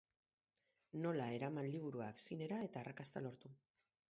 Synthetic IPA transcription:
no̞lae̞ɾamanliβ̞uɾuaksine̞ɾae̞t̪aːrakast̪alo̞ɾt̪u

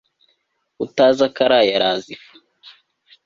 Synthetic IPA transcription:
utaːzakaɾajaɾaːzifu̥

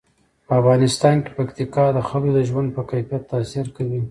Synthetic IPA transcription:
pəafɣɑnɪst̪ɑnke̥pakt̪ikɑd̪əxalod̪əʒwand̪̚pəkajfijat̪ːɑsɪɾkawi

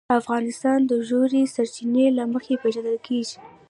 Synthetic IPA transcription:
afɣɑnɪst̪ɑnd̪əʒoɾesaɾt͡ʃinelaməxepeʒaləlkʰeʒi̥

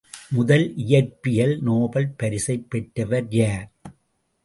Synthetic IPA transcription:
mʊðɐlʔɪjɐɾpɪjɐlnoːbɐlpɐɾɪsɐɪpːɛʈːɐʋɐɾjaːɾ

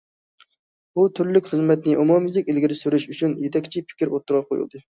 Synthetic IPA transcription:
but̪ʰyɾlykʲχəzmɛt̪nɪʔumumizɪkʲelɡʲiɾɪsyɾyʃyt͡ʃʰynjet̪ʰɛkʲt͡ʃʰipʰɪ̥kʲiɾot̪ʰːʊɾʁɑqʰojṵlˠd̪ɨ

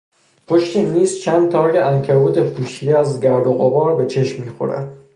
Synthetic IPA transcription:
pʰoʃt̪ʰiːmiːzt͡ʃʰænd̪̚t̪ʰɒːjeʔænkʰæbuːt̪ʰefuːʃid̪eæzɟæɾd̪oɣobɒːɾbe̞t͡ʃʰeʃmːiːxo̰ɾæ̰d̪̥

